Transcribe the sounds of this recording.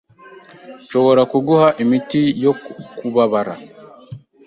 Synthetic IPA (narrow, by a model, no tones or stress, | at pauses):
ʃo̞βo̞ɾakuɡuhaʔimitijokuβaβaɾa̰